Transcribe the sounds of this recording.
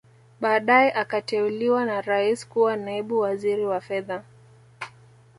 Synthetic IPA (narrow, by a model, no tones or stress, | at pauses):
ɓaːɗajɛʔakatɛuliwanaɾaiskuwanaiɓuwaziɾiwafɛða